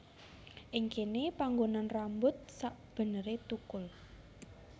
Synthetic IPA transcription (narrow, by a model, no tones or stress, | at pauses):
ʔiŋkenepaŋɡonanrambʊt̪̚saʔb̥ə̤nəɾet̪ukʊl